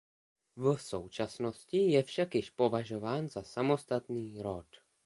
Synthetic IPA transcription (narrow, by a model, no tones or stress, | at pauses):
vsowt͡ʃasno̞scɪjɛfʃakjɪʃpo̞vaʒo̞vaːnzasamo̞st̪at̪niːɾot̪